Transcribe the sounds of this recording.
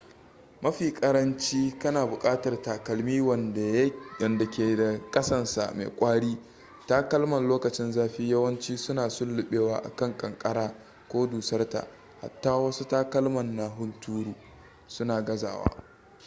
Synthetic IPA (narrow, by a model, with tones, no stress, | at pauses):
mɐ˦ɸiː˨kʼɐ˦ɾɐ˦nt͡ʃiː˦kɐ˦naː˨bʊ˨kʼaː˦tɐ˨rtaː˨kɐ˨lmiː˦wɐ˨nda˨jɐ˨nda˨kʲeː˨da˨kʼɐ˦sɐ˦nsa̰˨mḛ˨kʷʼaː˦ɽiː˦ | taː˦kɐ˦lmɐ˨nloː˦kɐ˨t͡ʃɪ˦nzaː˦ɸiː˦jɐ˦wɐ˦nt͡ʃiː˦sʊ˦naː˨sʊ˦lːʊ˨ɓeː˦waː˦ʔa̰˨kɐ˦˨ŋkʼɐ˨ŋkʼɐ˦ɽaː˦ | kʷoː˦duː˨sɐ˦rta̰˨ʔ | ha̰˨tːaː˦wɐ˦su˦taː˦kɐ˦lmɐ˨nːa˨ɦʊ˦ntuː˦ɽuː˨ | sʊ˦naː˨ɡɐ˦za̰ː˨wa̰ː˦